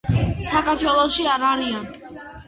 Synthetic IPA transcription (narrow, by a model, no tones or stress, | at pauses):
sakʰʼaɾʃwɛlˠɔʃiaɾaɾian